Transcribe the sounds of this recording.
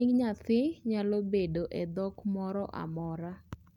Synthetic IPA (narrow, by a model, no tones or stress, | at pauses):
ɪɡɲat̪ɪɲalobedoʔed̪ɔkmɔɾɔʔa̰mɔɾa